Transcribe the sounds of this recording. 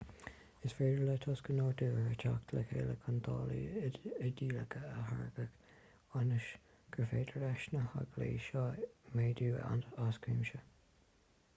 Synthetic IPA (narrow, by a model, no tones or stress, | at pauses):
ɪsfeːɾələt̪ʰɔskənoːɹd̪uːəət͡ʃʰa̰kt̪ʰələkʰeːləkʰənt̪ʰɑ̰ːlḭəd̪iːləkʰəəɦaɹɡək | ɑnəʃ | ɡ̥ɹəfeːdəɹɛʃnəha̰ɡlḭːʃɑːmeːd̪uːa̰naskɹiːmʃə